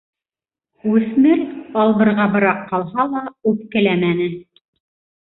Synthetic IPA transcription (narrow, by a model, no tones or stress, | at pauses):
ʉθmɘɾɑlˠbɤ̆ɾʁɑbɤ̆ɾɑqːɑlˠhɑlˠɑʉp̚kɘ̆læmænɘ